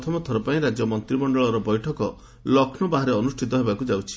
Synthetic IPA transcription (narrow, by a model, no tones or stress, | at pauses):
t̪ʰɔmɔt̪ʰɔɾɔpaĩɾad͡ʒjɔmɔnt̪ɾibɔɳɖɔɭɔɾɔbɔjʈʰɔkɔ | lɔkʰnɔbaɦaɾeɔnusʈʰit̪ɔɦebakud͡ʒawt͡ʃʰi̥